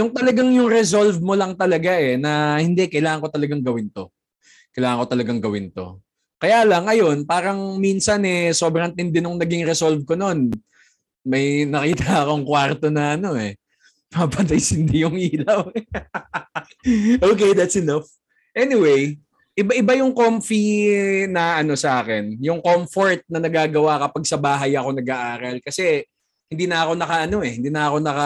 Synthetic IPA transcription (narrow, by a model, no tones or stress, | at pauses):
jʊŋt̪ɐlɐɡaŋjʊŋɾɛs̬o̞lvmo̞lɐŋt̪ɐlɐɡaʔɛnɐhɪnd̪ɛkɐjlaːŋɐŋko̞t̪ɐlɐɡaŋɡɐwɪnt̪o̞ | kɐjlaːŋɐŋko̞t̪ɐlɐɡaŋɡɐwɪnt̪o̞̰ | kɐjaːlɐŋʔɐjo̞npaːɾɐŋminsɐnɛso̞ːbɾɐnt̪ɪnd̪ɪnʊŋnɐɡiŋɾɛsolvkono̞n | mɐjnɐkiːt̪ɐɐko̞ɐŋkwaɾt̪o̞nɐʔɐno̞ɛ | papɐt̪ɐjsɪnd̪ijʊŋʔiːlɐw | ʔoːkejd̪ɐt̪sɛnaf | ʔɛnɪwej | ʔɪbaʔɪbajʊŋkomfinɐʔɐno̞sɐʔaːkɛnjʊŋkomfoɹt̪̚nɐnɐɡaːɡɐwakɐpaɡ̚sɐbaːɦɐjɐko̞nɐɡaʔaːɾɐlkɐsɛ | hɪnd̪iːnɐʔɐko̞nɐkɐʔɐno̞ʔɛhɪnd̪iːnɐɐko̞nɐkɐ